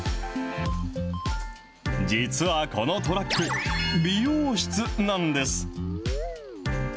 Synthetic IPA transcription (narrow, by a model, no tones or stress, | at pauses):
d͡ʑit͡sɨβako̞no̞t̪o̞ɾakːɯ̟bʲijoːɕi̥t͡sɨnãnd̪e̞sɨ̥